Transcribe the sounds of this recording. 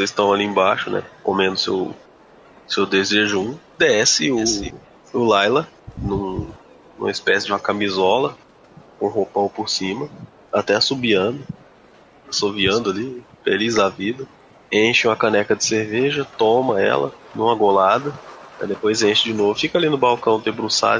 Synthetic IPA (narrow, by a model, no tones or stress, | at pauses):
osezsst̪ɐ̃w̃aliẽbaʃʊnɛ̰kõmẽnd̪ʊsḛw | sewd̪ezeʒũd̪ɛsɪʊ | ʊlajlɐ | nũ | nṵ̃mɐispɛsɪd͡ʒũmɐkamizɔlɐ | kõɦopɐ̃w̃pʊɾsĩmɐ | at̪ɛasubiɐ̃nd̪ʊ | asoviɐ̃nd̪ʊalifḛlizd̪ɐvid̪ɐ | ẽʃɪũmɐkɐ̃nɛkɐd͡ʒɪseɾveʒɐt̪õmɐɛ̰lɐ̰nũmɐɡolad̪ɐɛ̰d̪epojzẽʃɪd͡ʒɪnovʊfikɐalinʊbawkɐ̃w̃d̪ebɾusa̰